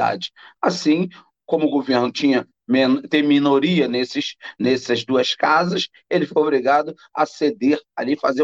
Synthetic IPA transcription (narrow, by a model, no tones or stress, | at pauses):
a̰d͡ʒɪ̥asĩ | kõmʊɡoveɾnʊt͡ʃĩɲɐ | ment̪ẽminoɾiɐnesɪʃnesɐzd̪uɐskazɐs | elɪfojobɾiɡad̪ʊ | ɐ̰sed̪eɾa̰lifaze